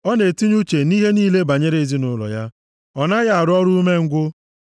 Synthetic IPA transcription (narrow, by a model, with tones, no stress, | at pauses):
ɔ˦ne˨ti˦ɲu˦t͡ʃe˨ni˦ɦe˦niː˦le˦ba˨ɲe˦ɾe˦˨zi˦nʊ˦lɔ̰˨ja˦ | ɔ˨na˦ɣa˦˨a˨ɾʊ˦ɔ˦ɾu˦u˦me˦ŋ̩˦ɡʷʊ˦